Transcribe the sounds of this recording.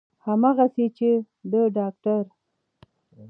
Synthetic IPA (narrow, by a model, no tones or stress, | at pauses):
hamaɣaset͡ʃe | d̪əɖɑk̚ʈaɾ